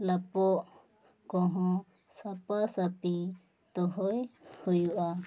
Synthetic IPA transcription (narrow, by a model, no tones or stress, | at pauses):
lapɔʔ | kɔ̃ɦɔ̃ | sapasapi | t̪ɔɦɔjhujuʔa